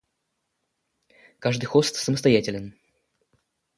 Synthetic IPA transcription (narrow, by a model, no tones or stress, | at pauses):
kaʐd̪ɨjxost̪səməst̪ɐjætʲɪlʲɪn